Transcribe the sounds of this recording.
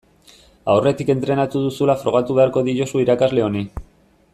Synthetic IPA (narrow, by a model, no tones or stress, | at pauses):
awre̞t̪ike̞nt̪ɾe̞nat̪uðusulafɾo̞ɣ̞at̪uβe̞aɾko̞ðiʎo̞suiɾakazle̞o̞ni